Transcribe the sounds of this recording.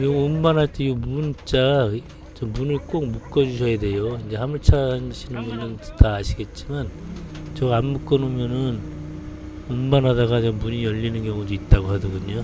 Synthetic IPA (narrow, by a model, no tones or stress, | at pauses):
kɯɾiɡoummanɦaɭt͈ʰe̞iɡomunt͡ɕ͈aɡa | t͡ɕʌmunɯɭk͈ok̚muk͈ʌd͡ʑuɕ̬ʰʌjade̞joind͡ʑe̞ɦamuɭt͡ɕʰanɕʰinɯnbundɯntʰaːɕʰiɡe̞t̚t͡ɕ͈iman | t͡ɕʌɡanmuk͈ʌnomjʌnɯn | ommanɦadaɡat͡ɕʌmuɲijʌʎːinɯnkjʌŋudoit̚t͈aɡoɦadoɡuɲo